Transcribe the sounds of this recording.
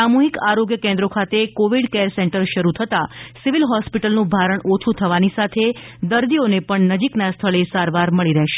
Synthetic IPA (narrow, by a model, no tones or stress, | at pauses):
samuɦikaɾoɡjəkẽnd̪ɾokʰat̪ekoʋiɖkeɾsɛ̃ɳʈəɾʃəɾut̪ʰət̪asiʋilɦɔspiʈəlnũbʱaɾəɳot͡ʃʰut̪ʰəʋanisat̪ʰed̪əɾd̪ionepəɳnəd͡ʒiknast̪ʰəɭesaɾʋaɾməɭiɾəɦʃe̥